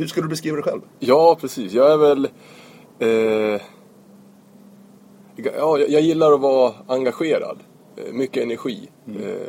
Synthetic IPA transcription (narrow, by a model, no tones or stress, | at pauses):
hɵʂkɵlːəd̪ɵbɛskɾiːvad̪ɛjɧɛ̰lvjɑːpʰɾɛsiːsjɑːɡæɾvɛl | ɡjɑːjɑjɑːɡjɪlːaɾɔvɑːɾaŋɡaɧeːɾa̰d̪ | mʏkːəɛnæɾɧḭː